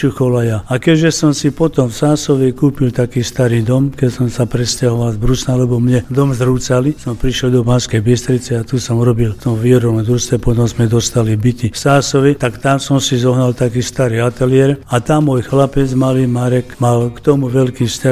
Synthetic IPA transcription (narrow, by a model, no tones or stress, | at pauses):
uxɔlajaakɛɟʒɛsɔmsipɔt̪ɔmfsaːsɔʋɛkuːpilt̪akiːst̪aɾiːd̪ɔmkɛcsɔmsapɾɛscaɦɔʋalzbɾusnalɛbɔmɲɛd̪ɔmzɾuːt͡salisɔmpɾiʃɛld̪ɔbanskɛjbist̪ɾit͡sɛat̪usɔmuɾɔbilft̪ɔmʋiːɔɾɔʋɔmd̪ɾust̪ɛpɔt̪ɔmzmɛd̪ɔst̪alibit̪ifsaːsɔʋit̪akt̪amsɔmsizɔɦnalt̪akiːst̪aɾiːat̪ɛliɛɾat̪amːɔjxlapɛd͡zmalimaɾɛkmalkt̪ɔmuʋɛlkiːfsca